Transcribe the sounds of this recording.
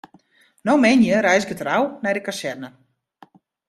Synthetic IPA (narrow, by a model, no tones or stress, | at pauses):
nowmɛjnjəɾɛjsɪkətrawnɛjdəkasɛrnə